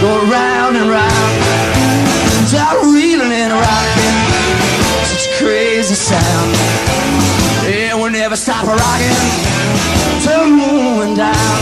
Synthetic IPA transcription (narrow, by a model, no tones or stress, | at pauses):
ɡ̥oʊɹaʊ̃ndɨ̃nɹãʊ̃n | ɨ̃nsapɹilˠɪ̃ŋɪ̃nə˞aʊnɪn | sʌt͡ʃkʰɹ̥eɪzisãʊ̃n | ɨ̃ | nwinɛvə˞stɑp̚həɹɑkɪ̃n | tʰɜnmuvɪ̃ndãʊ̃n